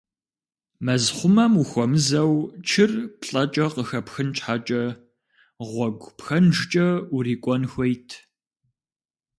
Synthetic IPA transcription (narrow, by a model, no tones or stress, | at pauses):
mɐzχʷʊmɐmuxʷɔmɨzɐwt͡ʃʰɪrpɬʼɐt͡ʃʼɐqəxɐpxɨnt͡ʃʼħat͡ʃʼɐ | ʁʷɔɡʷpxɐnʒt͡ʃʼɐuriːkʷʼɔnxʷejtʰ